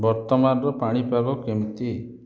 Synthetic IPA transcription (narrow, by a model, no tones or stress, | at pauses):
bɔɾt̪ɔmanɔɾɔpaɽ̃ipaɡɔkemt̪i